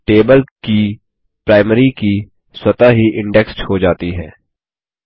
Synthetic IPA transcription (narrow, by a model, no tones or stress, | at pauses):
ʈeːbəlki | pɾaːɪmɾiki | swət̪aɦiʔɪ̃ɳɖɛksʈhod͡ʒaːt̪iɦɛ̃ː